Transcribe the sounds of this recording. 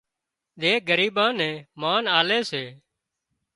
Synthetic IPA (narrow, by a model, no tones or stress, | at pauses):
ɗ̪eːɠəɾiːɓãːnɛ̃ːmaːnaːleːseː